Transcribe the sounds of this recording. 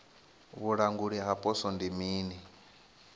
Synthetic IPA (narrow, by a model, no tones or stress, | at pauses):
βuɺaŋɡuɺiɦapʼɔsɔndimiːni